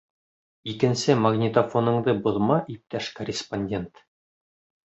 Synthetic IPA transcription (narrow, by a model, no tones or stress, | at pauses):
ikɘ̆nsɘmɐɡnʲɪt̪ofonɤ̆ɴd̪ɤbŏðmɑʔip̚t̪æʃkorʲɪsponʲdʲe̞nt̪